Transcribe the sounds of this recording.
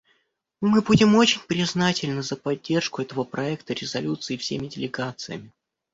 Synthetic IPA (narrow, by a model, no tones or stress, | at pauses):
mɨbudʲɪmo̞t͡ɕɪnʲpɾʲɪznatʲɪlʲnəzəpɐdʲːe̞rʂkʊɛt̪əvəpɾɐɛkt̪əɾʲɪzɐlʲut̪sɨːfsʲemʲɪdʲɪlʲɪɡat̪sɨjə̰mʲɪ